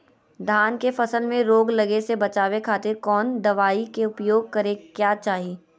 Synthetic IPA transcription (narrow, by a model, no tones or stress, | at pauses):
d̪ʱaːnkefɐsəlmẽɾoːɡlɐɡesebɐt͡ʃaːʋekʰaːt̪ɪɾkɔːnd̪ɐʋaːikeʊpjoːɡ̚kɐɾekjaːt͡ʃaːɦiː